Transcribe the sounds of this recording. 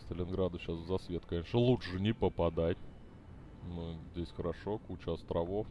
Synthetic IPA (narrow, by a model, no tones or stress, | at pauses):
st̪əlʲɪnɡɾad̪əɕasvzɐsvʲe̞t̪kɐnʲe̞ʂnəlˠuʂɨnʲɪpəpɐd̪atʲ | nozʲdʲesʲxəɾɐʂo̞kut͡ɕʊɐst̪ɾʔɐvo̞f